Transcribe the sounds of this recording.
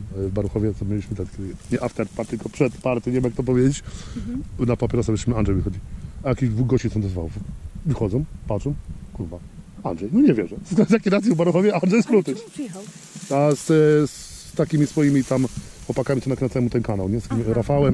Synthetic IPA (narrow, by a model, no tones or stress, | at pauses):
vbaɾuxɔvʲjɛt̪ɔmʲelʲiɕmɨt̪ɛt̪kʲɛd̪ɲɛʔaft̪ɛɾt̪̚paɾt̪ːɨlkɔpʂɛt̪paɾt̪ɛɲʲɛvɛmjak̚t̪ɔp̬ɔvjed͡ʑet͡ɕ | napapʲɛɾɔsavɛʃimɘanʐɛjvɨxɔd͡ʑiajakʲiʑd̪vuɣɡɔɕt͡ɕitsɔ̃w̃d̪ɔzvawɔfvɨxɔd̪zɔ̃w̃patʂɔ̃mkuɾbaanʐɛjnɔɲɛvʲjɛʐɛsɡazjakʲiɾasjivbaɾuxɔvʲjɛandʐɛjspɾut̪ɨ | asst̪akʲimʲisfɔjimʲit̪amxwɔpakamʲit͡ɕɛnaknɛt̪sɛmut̪ɛnkanawɲɛst̪kʲimɾafawɛm